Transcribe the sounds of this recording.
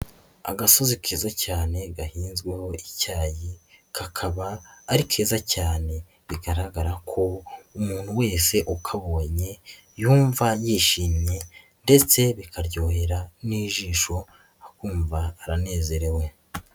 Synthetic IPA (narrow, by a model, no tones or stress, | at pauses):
a̰ɡaso̞zikʰeːzacaːne̞ɡahiːnzɡweho̞ʔicaːjikʰakʰaβaːɾikʰeːzacaːne̞ | βiɡaɾaɡaɾakʰo̞umuːn̥huwe̞ːse̞ʔukʰaβo̞ːɲe̞ | juːɱvajiːʃiːmɲe̞ | nde̞t͡se̞βikʰaɾɟo̞ːhe̞ɾaniːʒiːʃo̞ | akuːɱvaːɾane̞ːze̞ɾe̞we̞